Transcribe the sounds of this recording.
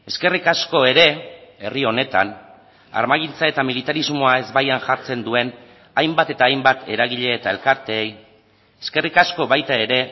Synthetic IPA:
e̞ske̞rikasko̞e̞ɾe̞e̞rio̞ne̞t̪a̰n | a̰ɾmaɣint͡sae̞t̪amilit̪aɾizmo̞ae̞zbajanʝaɾt͡se̞nd̪ue̞n | ajmbat̪e̞t̪aːjmbat̪e̞ɾaɣ̞iʎe̞ːt̪ae̞lkaɾt̪e̞ːj | eske̞rikasko̞βajt̪ae̞ɾe̞

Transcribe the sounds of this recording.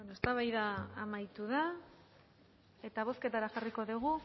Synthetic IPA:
enoest̪aβajðaːmajt̪uða | e̞t̪aβ̞o̞ske̞t̪aɾaxariko̞ðuɣ̞u

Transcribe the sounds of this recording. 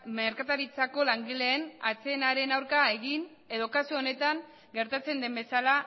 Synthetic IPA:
me̞ɾkat̪aɾit͡sako̞laŋɡile̞ːnat͡seːnaɾe̞nawɾkae̞ɣin | e̞ðo̞kasioone̞t̪aŋ | ɡe̞ɾt̪at͡se̞nd̪e̞mbe̞sala

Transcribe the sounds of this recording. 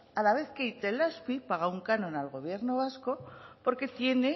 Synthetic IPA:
alaβe̞θkeit̪e̞laspipaɣ̞auŋkanõ̞nalɣo̞β̞je̞ɾno̞βasko̞po̞ɾke̞t̪je̞ne̞

